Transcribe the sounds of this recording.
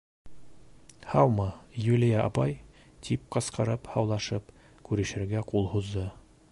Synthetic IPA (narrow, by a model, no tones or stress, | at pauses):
hɑwmɤjulʲijɑʔɑbɑj | t̪ʰip̚qɑ̆sqɑɾɤphɑwlˠɑʃɤp | kʉɾɘ̆ʃɘ̆ɾɡæqulˠhuzd̪ɤ